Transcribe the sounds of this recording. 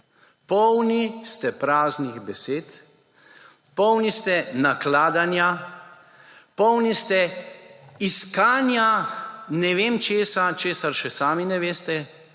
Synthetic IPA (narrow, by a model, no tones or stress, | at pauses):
pɔwnist̪ɛpɾaːzniɣbɛseːt̪ | pɔwnist̪ɛnaklaːd̪anja | pɔwnist̪ɛ | iskaːnjanɛʋeːmt͡ʃeːsat͡ʃeːsaɾʃɛsaːminɛʋeːst̪ɛ